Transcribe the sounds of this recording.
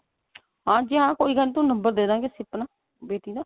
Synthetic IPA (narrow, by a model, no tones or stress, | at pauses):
ɦãːd͡ʒeːɦãːkoːiːɡənt̪õːnəmbəɾd̪eːd̪ãːɡeːsɪpːnaː | beːʈiːd̪aː